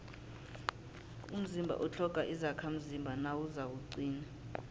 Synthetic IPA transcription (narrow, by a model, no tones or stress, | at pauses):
um̩zimbʱa̰ʔɔt͡ɬʰɔkʼaʔizakʰam̩zimbʱanawuzawuǀiːna